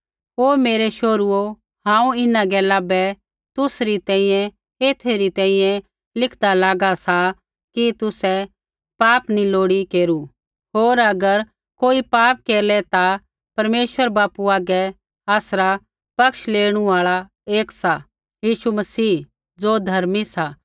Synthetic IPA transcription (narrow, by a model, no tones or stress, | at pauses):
ɦoːmeːɾɛʃoːɾuo | hãːũɪnaɡɛlaːbɛ | t̪ʊsɾit̪ɛ̃ːĩjɛ̃ | eːt̪ʰeɾit̪ɛ̃ːĩjɛ̃ | lɪkʰd̪alaːɡasa | kit̪ʊsɛ | paːpniloːɽikeːɾu | ɦoːɾɐɡəɾ | koːipaːp̚keːɾlɛt̪a | pɐɾmeːʃʋəɾbaːpuaːɡɛ | aːsɾa | pɐkʃleːɽ̃uaːɭa | eːksa | jiːʃumɐsiː | d͡zoːd̪ʱɐɾmisa